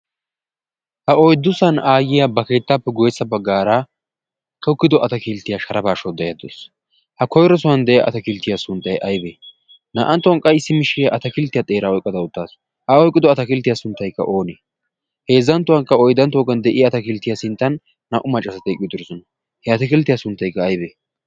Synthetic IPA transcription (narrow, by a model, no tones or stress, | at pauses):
hɐɔjd̪ːʊsɐnaːjɪjabɐke̞ːt̪ːaːpːɛɡɔjɛsːɐbɐɡːaːɾa | t̪ʰɔkːɪd̪ɔʔɐt̪ɐkilt̪ːɪjaʃɐɾɐbaːʃɔd̪ɛjad̪o̰s | hɐkɔjɾɔsʊwɐnd̪ɛʔɛa̰ɐ̰t̪ɐkɪlt̪ːɪjasʊnt̪ʼːɐjʔɐjbeː | nɐ̰ʔɐnt̪ːɔɐŋkʼɐjɪsːɪmɪʃɪjɐʔɐt̪ɐkɪlt̪ːɪjat̪ʼe̞ːɾaɔjkʼːɐd̪ɐʊt̪ːaːs | hɐɔjkʼːɪd̪ɔɐt̪ɐkɪlt̪ːɪjasʊnt̪ːɐjkːɐ̰ʔo̞ːneː | heːzːɐnt̪ːʊwɐŋkːɐɔjd̪ɐnt̪oːkːɐnd̪ɛʔɪjaːt̪ɐkɪlt̪ːɪjasɪnt̪ːɐnː | ɐʔʊmɐt͡ʃʼːɐsɐt̪ɛkʼɪjt̪ːʊɾɔsɔnɐ | hɛɐt̪ɐkɪlt̪ːɪjasʊnt̪ːɐjkːɐːjbeː